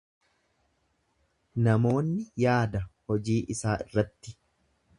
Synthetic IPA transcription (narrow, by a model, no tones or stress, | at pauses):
nɐmo̞ːnːɪjaːd̪ɐhɔd͡ʒiːʔɪsaːʔɪrːɐt̪ːɪ